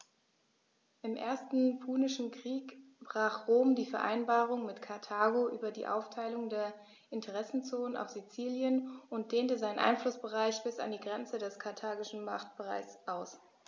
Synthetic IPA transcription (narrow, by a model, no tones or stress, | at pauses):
ʔɪmʔḛːɐstn̩pʰuːnɪʃn̩kʁ̥iːk | b̥ʁaːχʁoːmdiːfɛɐʔa̰ɪnbaːʁ̞ʊŋmɪtkʰaɐtʰaːɡoʔyːbɐdḭːʔa̰ʊftʰaɪlʊŋdeːɐ | ʔɪntʰəʁɛsn̩t͡soːnənʔa̰ʊfz̥it͡siːljənʊnt̚d̥eːntəzaɪnənʔa̰ɪnflʊsb̥əʁaɪçb̥ɪsa̰ndiːɡʁɛnt͡sədɛskʰaɐtʰaːɡɪʃn̩ma̰χt̚b̥əʁa̰ɪsʔaʊs